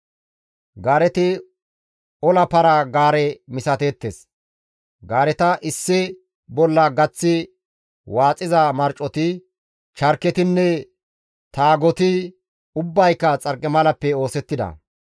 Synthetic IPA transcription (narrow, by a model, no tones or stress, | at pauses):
ɡaːɾɛt̪ɪ | ɔlɐpɐɾɐɡaːɾɛmɪsɐt̪eːt̪ːes | ɡaːɾɛt̪ɐʔɪsːɪ | bɔlːɐɡɐt͡sːɪ | waːt͡sʼːɪzɐmɐɾt͡ʃʼːɔt̪ɪ | t͡ʃɐɾkɛt̪ɪnːɛ | t̪aːɡɔt̪ɪ | ʊbːɐjkːɐt͡sʼɐɾkʼːɛmɐlɐpːɛo̞ːsɛt̪ːɪd̪ɐ̰